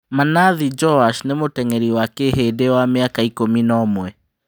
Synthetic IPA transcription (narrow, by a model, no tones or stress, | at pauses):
manaðid͡ʒɔaʃnemotɛŋeɾiwakeɦedewameakaikominɔmwɛ